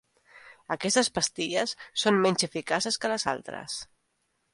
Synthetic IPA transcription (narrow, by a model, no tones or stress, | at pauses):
əkɛst̪əspəst̪iʎəsːommɛɲʲzəfikasəskələza̰lˠt̪ɾə̰s